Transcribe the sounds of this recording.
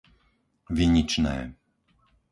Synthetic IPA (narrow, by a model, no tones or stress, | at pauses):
ʋiɲit͡ʃnɛ̰ː